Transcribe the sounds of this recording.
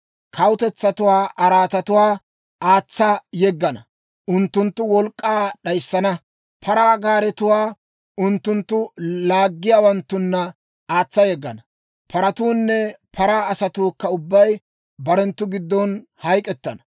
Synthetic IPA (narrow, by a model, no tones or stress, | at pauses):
kʰɐwʊt̪ɛt͡sːɐt̪ʊwaːʔɐɾaːt̪ɐt̪ʊwaː | ʔaːt͡sːɐjɛɡːɐnɐ | ʔʊnt̪ːʊnt̪ːʊwɔlkʼːaːɗɐjsːɐnɐ | pʰɐɾaːɡaːɾɛt̪ʊwaː | ʊnt̪ːʊnt̪ːʊlaːɡːɪjaːwɐnt̪ːʊnːɐ | aːt͡sːɐjɛɡːɐnɐ | pɐɾɐt̪uːnːɛpʰɐɾaːɐsɐt̪uːkːɐʊbːɐj | bɐɾɛnt̪ːʊɡɪd̪ːɔnhɐjkʼɛt̪ːɐnɐ̥